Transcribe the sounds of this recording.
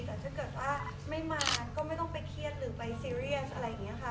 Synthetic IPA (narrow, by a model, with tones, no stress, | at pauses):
kaː˨˩t͡ɕa˨˩kɤː˨˩t̪̚waː˥˩ | ma˥˩jmaː˧kɔː˥˩ma˥˩jt̪ɔ˥˩ŋpa˧jkʰi˥˩ət̪̚ɾɯː˩˦pa˧jsiː˧ɾi˥˩əsʔa˧ɾa˧jːa˨˩ŋi˦˥ɐkʰa˥˩